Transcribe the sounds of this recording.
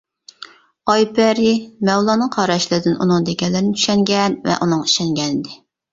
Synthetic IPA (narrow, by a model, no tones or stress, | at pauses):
ɑjpɛɾimɛwlˠɑːnɨŋqʰɑɾɑʃlɨɾɪd̪ɪnunɨŋd̪eɡʲɛlːɪɾnɪt͡ʃʰy̥ʃɛŋɡʲɛnvɛ̰ʔunɨŋi̥ʃɛŋɡʲɛnɪd̪ɪ